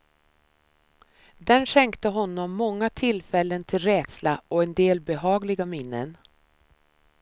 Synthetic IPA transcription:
d̪ɛnʂɛŋkt̪əɦɔnːɔmːɔŋːat̪ʰɪlfɛlːənt̪ʰɪlɾɛːd̪̥slaɔɛnd̪eːlbɛɦɑːɡlɪɡamɪnːə̰n

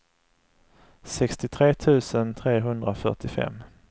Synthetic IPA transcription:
sɛkst̪ɪt̪ʰɾeːt̪ʰʉ̟ːsənt̪ʰɾeːɦɵnd̪ɾafœ̰ʈɪfɛ̰mː

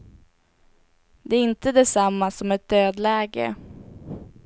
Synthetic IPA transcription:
d̪ɛːɾɪnt̪əd̪ɛsamːasɔmɛt̪̚d̪øːd̪læːɡə̰

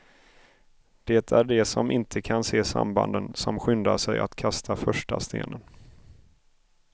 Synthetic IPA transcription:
d̪̥ɛt̪ʰæɖɛsɔmɪnt̪ʰəkʰanseːsa̰mba̰nd̪ənsɔmɧʏnd̪aʂɛja̰t̪kʰast̪ʰafœʂʈast̪ʰḛːnən

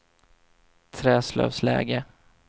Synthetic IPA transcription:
t̪ʰɾɛːslœ̰ːvslɛ̰ːɡə

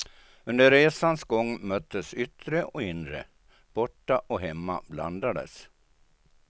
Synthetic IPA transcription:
ɵnd̪əɾɾeːsansɡɔŋːmœt̪ʰːəsʏt̪ɾəʔɔɪnɾə̰ | b̥ɔʈːaʔɔɦɛmːa̰bla̰nd̪ad̪ə̰s

